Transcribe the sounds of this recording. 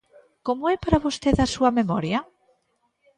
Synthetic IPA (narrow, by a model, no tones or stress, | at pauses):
komoɛpaɾaβost̪eðɐsuɐmemɔɾjɐ